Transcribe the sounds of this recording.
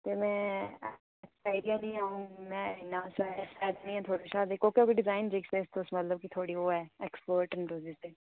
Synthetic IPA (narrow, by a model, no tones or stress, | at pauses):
t̪eːmɛ̃ː | ɛkspaːɪɖijãːnĩːaːũːmɛ̃ːnaːsɛsɛːd̪enĩːɛːt̪ʰoːɽiʃaːd̪eːkoːkeoːkeɖɪzaːɪnd͡ʒeːkseːst̪osmət̪ləb̚kit̪ʰoːɽiːoːɛːɛkspoːɾʈɛnɾoːziːseː